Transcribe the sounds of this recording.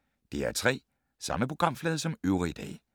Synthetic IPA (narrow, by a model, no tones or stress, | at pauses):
d̥e̝æɐt͡sʰʁɛ̰ː | sɑ̈məpʰʁo̝ɡ̥ʁɑ̈m̰flɛːð̞ˠɐsɒ̽møʊʁid̥ɛ̰ː